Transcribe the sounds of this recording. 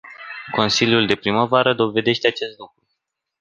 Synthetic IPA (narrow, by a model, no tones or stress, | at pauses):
ko̞nsilʲjuld̪e̞pɾiməvaɾəd̪o̞ve̞d̪e̞ʃt̪eat͡ʃe̞st̪lukɾu